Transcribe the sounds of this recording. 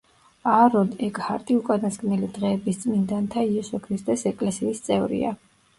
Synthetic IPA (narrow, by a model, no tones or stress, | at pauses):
aɾɔnɛkʼhaɾt̪ʼiukʼad̪askʼnɛlid̪ʁɛːbist̪sʼmind̪ant̪ʰaiɛsɔkʰɾist̪ʼɛsɛkʼlɛsiːst̪sʼɛvɾḭa̰